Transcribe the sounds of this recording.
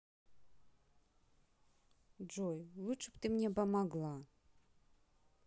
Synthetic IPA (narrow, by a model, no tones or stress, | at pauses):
d͡ʐojlˠuʂɨpt̪ʼɨmnʲepamaɡlˠa